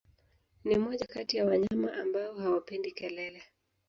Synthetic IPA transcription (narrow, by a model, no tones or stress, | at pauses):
nimɔʄakatijawaɲamaʔambaɔhawapɛndikɛlɛlɛ